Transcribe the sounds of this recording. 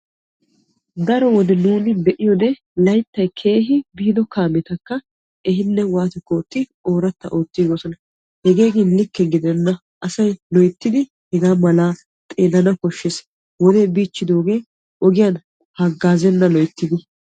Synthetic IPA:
d̪ɐɾɔwɔd̪ɛnuːnɪbɛʔɪjɔd̪ɛ | lɐjt̪ːɐjkʰe̞ːɦɪbiːd̪ɔkaːmɛt̪ɐkːɐ | ɛɦɪnːɛwaːt̪ɛko̞ːt̪ːɪoːɾɐt̪ːɐ̰ʔo̞ːt̪ːiɡosɔnɐ | hɛɡe̞ːɡɪnlɪkːɛɡɪd̪ɛnːɐ | ʔɐsɐjlɔjt̪ːɪd̪ɪ | hɛɡaːmɐlaː | t̪ʼe̞ːlɐnɐkɔʃːes | wɔd̪ebiːt͡ʃːɪd̪o̞ːɡe̞ː | ʔɔɡɪjan | hɐɡːaːzɛnːɐlɔjt̪ːɪd̪ɪ

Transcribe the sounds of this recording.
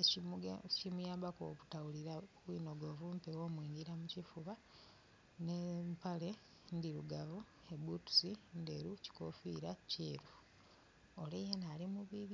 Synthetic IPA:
icimujaːmbako̰βutawuliɾawiːno̞ɡo̞ːvuːmpewoːmwiːnɡiɾamucifuβa | nempale̞ | ndiɾuɡavu | ebutu̥sindeɾuci̥kofḭːɾaceːɾu | olejenalimuβiβ

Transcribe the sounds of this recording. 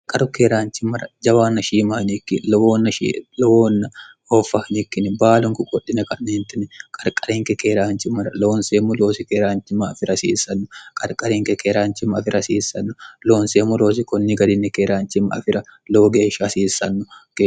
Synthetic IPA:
kʼɐɾʊkeːɾaːnt͡ʃɪmɐɾɐ̰d͡ʒɐwaːnːɐʃiːmɐhnikːɪlwoːnːɐʃḭlɔwoːnːɐ | oːfːɐhnɪkːɪnɪbaːlʊŋkʊkʼɔɗːɪnɐkʼɐnːeːnt̪ːɪnɛkʼɐɾkʼɐɾiːŋkɛkeːɾaːnt͡ʃɪmɐɾɐloːnseːmʊloːsɪkeːɾaːnt͡ʃːɪmɐːfɪɾɐsḭːsːɐnːʊkʼɐɾkʼɐɾiŋkɛkeːɾaːnt͡ʃɪmɐɐfɪɾɐsiːsːɐnːʊlo̞ːnseːmʊloːs̬ɪkɔnːɪɡɐd̪ɪnːɛkeːɾaːnt͡ʃɪmɐɐ̰fɪɾɐloːɡeːʃːɐɐsiːsːɐnːʊke

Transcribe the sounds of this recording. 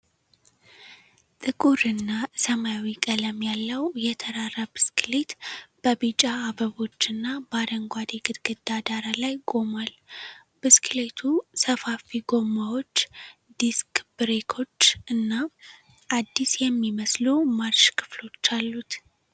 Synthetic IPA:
t̪ʼɨkʼuɾɨnːasəmajawikʼələmjalːəwjɛt̪ʰəɾarəbɨsklet̪b̥əbit͡ʃʼaːbəβo̞t͡ʃːɨnːabad̪əŋɡʷad̪eɡɨd̪ɡɨd̪ːad̪aɾalajkʼo̞mal | b̥ɨskʰle̞t̪ʰusəfafiɡo̞mawo̞t͡ʃːd̪iskbɨɾekʰo̞t͡ʃːɨnːa | ʔad̪ːisjɛmːiməslumaɾt͡ʃkʰɨ̥flo̞t͡ʃːalːut̪

